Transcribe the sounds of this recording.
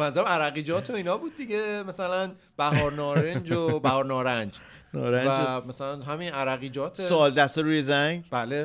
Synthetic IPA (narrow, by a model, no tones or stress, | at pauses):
mænzuɾæmæɾæɣiːd͡ʒɒːt̪ʰo̞iːnɒːbuːd̪̚ːiɟemæsælæn | b̥æɦɒːɾnɒːɾennd͡ʒobæhɒːɾnɒːɾænd͡ʒ | nɒːɾævæmæsælænɦæminʔæɾæɣiːd͡ʒɒːt̪ʰsesoːld̪æst̪oɾuːjezæŋɡb̥æle